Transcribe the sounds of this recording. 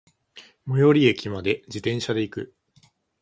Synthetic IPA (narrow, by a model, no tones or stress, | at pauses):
mo̞jo̞ɾʲiekʲimad̪e̞d͡ʑit̪ẽ̞ɰ̃ɕad̪e̞ikɯ̟